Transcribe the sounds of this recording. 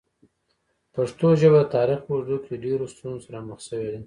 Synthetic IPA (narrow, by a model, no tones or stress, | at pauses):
paʂt̪oʒəbat̪ɑɾixaɾd̪okʰeɖeɾost̪unosaɾaməxsəwed̪e